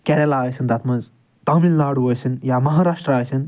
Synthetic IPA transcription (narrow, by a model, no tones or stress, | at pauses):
kʲɛɾɛlaːjsind̪ɐt̪ʰmɐnz | t̪aːmilnaːɽuɐsinjamɐɦaːɾaːʂʈɾəaːjsin